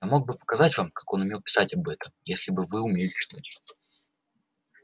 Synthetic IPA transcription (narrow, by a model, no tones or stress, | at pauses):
amo̞ɡ̚bɨpə̥kɐzatʲvamkḁko̞nʊmʲe̞lˠpʲɪ̥satʲɐbɛt̪əmjesʲlʲɪbɨvɨʊmʲelʲt͡ɕt̪utʲ